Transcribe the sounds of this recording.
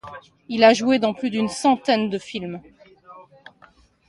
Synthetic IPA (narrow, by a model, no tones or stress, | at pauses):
ilaʒued̪ɑ̃plyd̪ynsɑ̃t̪ɛnd̪əfilm